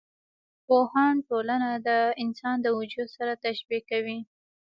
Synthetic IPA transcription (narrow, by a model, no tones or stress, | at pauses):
pohɑnʈolanad̪əɪnsɑnd̪əwʊd͡ʒud̪saɾat̪aʃbikawi